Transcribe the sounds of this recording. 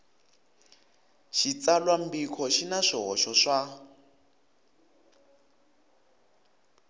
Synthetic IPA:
ʃit͡salwam̩bikʰɔʃinaʂɔɦɔʃɔʂa

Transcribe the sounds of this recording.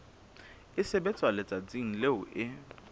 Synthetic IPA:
ɪsɪbɛt͡sʼwalɛt͡sʼat͡sʼiŋ̩leʊʔɪ

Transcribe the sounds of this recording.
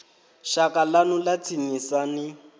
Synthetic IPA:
ʃakalanʊlat͡sʰiɲisanɪ

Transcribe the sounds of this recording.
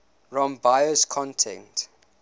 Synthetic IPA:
ɹɔ̃mbajəskʰɔ̃ntʰɛ̰̃nt

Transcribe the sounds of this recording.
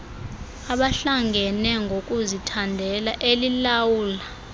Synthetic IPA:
aɓaɬaŋɡʱɛnɛŋɡʱokʼuzitʰandʱɛlaʔelilawuːla

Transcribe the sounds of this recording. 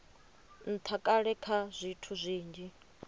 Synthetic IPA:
n̩t̪ʰakʼaɺɛkʰazʷitʰuzʷiːnd͡ʒi

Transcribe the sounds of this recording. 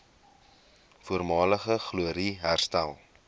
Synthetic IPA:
fuərmɑːləχəχluəɾiɦærstælˠ

